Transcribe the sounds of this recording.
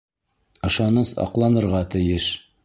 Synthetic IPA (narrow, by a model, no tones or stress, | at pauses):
ɤ̆ʃɑnɤsɑ̰qlˠɑnɤ̆ɾʁɑt̪ɘ̆jɘʃ